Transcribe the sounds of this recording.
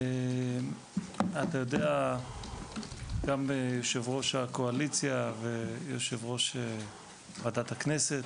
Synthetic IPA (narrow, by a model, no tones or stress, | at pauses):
e | at̪ajodea | ɡ̥amjoʃevʁo̞ʃakoalit͡sjavejoʃevʁo̞ʃe | madat̪akneset